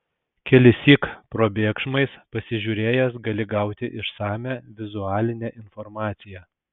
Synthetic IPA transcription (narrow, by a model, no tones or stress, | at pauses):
kʲɛlʲɪsʲiːkpɾoːbʲeːkʃmɐɪspɐsʲɪʒʲuːɾʲeːjɛsɡɐlʲɪɡɑˑʊt̪ʲɪʔɪʃsɑːmʲæːʋʲɪzʊɑːlʲɪnʲɛʔɪnfɔɾmɑːt̪sʲɪjɛ